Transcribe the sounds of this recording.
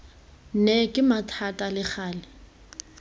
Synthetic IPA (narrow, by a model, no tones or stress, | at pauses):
nɛkʼɪmatʰatʼalɪk͡xʰaːlɪ